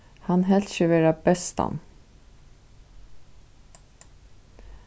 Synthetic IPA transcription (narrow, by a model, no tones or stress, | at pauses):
hɑnɦɛlʃəʋeːɾɑbɛst̪ʰɑ̰n